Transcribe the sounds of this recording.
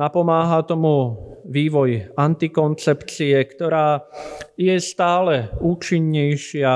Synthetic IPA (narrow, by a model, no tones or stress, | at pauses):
apɔmaːɦat̪ɔmuʋiːʋɔjant̪ikɔnt͡sɛpt͡siɛkt̪ɔɾaːjɛst̪aːlɛuːt͡ʃiɲːɛjʃɪa